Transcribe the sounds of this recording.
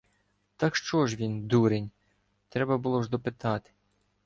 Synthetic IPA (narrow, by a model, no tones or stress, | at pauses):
t̪ɑkʃt͡ʃɔʒʋʲind̪uɾenʲ | t̪ɾɛbɐbʊlˠɔʒd̪ɔpɪt̪ɑt̪ɪ̥